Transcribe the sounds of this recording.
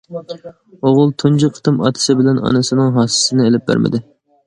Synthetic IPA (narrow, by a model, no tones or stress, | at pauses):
oʁʊlˠt̪ʰund͡ʒiqʰːə̥t̪ʰɨmɑ̰ːt̪ʰɨ̥sɪbɪlɛnɑ̰nɨsɨnɨŋɦɑːssɪnɪelɪp̚bæ̰ɾmɪ̰d̪ɪ